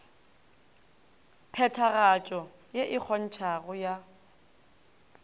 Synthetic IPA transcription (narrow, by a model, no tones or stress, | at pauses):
pʰɛtʰaɣat͡ʃʼɔ | jeʔɪk͡xʰɔn̩t͡ʃʰaɣʊja